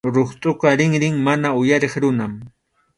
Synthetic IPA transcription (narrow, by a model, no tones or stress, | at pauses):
ɾoχt̪ʼʊqɑɾɪŋɾɪŋmanaʊjaɾeχɾʊnam